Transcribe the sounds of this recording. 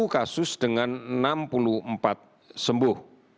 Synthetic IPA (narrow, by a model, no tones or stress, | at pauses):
ukasʊsd̥əŋannampuluəmpat̪̚ | səmbʊh